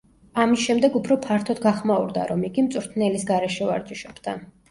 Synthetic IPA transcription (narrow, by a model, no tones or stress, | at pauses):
amisʃɛmd̪ɛɡupʰɾɔpʰaɾt̪ʰɔd̪ɡaχmaṵɾd̪a̰ɾɔmiɡimt̪sʼuɾt̪ʰnɛlisɡaɾɛʃɛva̰ɾt͡ʃʼiʃɛb̥d̪a